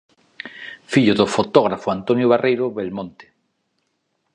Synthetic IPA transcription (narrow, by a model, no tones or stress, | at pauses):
fiʎoðofot̪oɣɾafoant̪onjoβarʔejɾoβelmõnt̪e̥